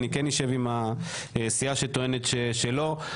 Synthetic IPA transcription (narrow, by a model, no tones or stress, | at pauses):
nikenjeʃe̞vima | sijaʃet̪o̞enet̪ʃeʃelo̞